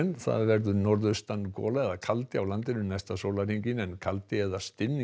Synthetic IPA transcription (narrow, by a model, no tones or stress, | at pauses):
nθa̰ðvɛɾðʏnɔɾðʏst̪anːkɔ̰ːlaɛðakʰalt̪ɪawlant̪ɪnʏnajst̪asoːwlaɾhiɲcɪnɛnkʰalt̪ɪɛðast̪ɪnːi